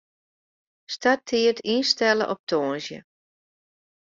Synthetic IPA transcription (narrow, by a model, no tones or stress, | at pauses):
statʰːiətʰinstɛlə̰ʔɔp̚tʰoːnzjə̰